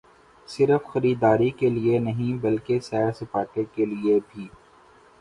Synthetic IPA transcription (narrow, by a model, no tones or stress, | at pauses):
sɪɾəfxɐɾiːd̪aːɾikelienɐɦĩbɐlkesɛːɾsɪpaːʈekeliebʱiː